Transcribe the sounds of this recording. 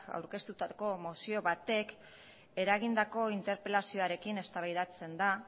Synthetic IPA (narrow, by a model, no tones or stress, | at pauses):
a̰wɾke̞st̪ut̪ako̞mo̞sio̞βat̪e̞k | e̞ɾaɣ̞ind̪ako̞int̪e̞ɾpe̞lasio̞aɾe̞kine̞st̪aβajðat͡se̞nd̪a